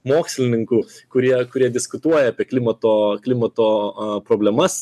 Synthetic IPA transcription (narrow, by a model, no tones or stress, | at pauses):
moːksʲlʲɪnʲɪŋkuːkʊɾʲiɛkʊɾʲiɛd̪ʲɪskʊt̪uɔjɛɐːpʲiɛklʲɪmɐt̪oːklʲɪmɐt̪oːpɾoːbʲlʲɛmɐs